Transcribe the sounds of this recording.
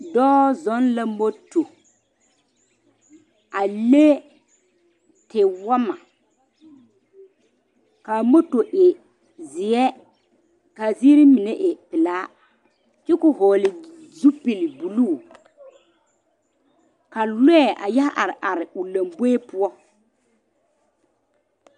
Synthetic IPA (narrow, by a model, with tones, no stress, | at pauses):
dɔː˦zɔ˨˦nla˦mo˦to˨ | a˨le˦ | tɪ˨wa˦ma˨ | kaː˨mo˦to˨ʔɪ˨ | zɪ˨ɛ˦ | kaː˨zi˦ɾi˦mɪ˨nɛ˦ʔɪ˨pɪ˨laː˦ | t͡ʃɪ˦kʊ˨ɦɔː˨lɪ˨ | zu˦pi˨lɪ˨bu˨luː˦˨ | ka˨lɛ˦˨ʔa˨jɛ˦hʔa˨ɾɪ˨ʔa˨ɾɪ˨ʊ˨la˨mbe˦e˦pʊ˦ɔ˦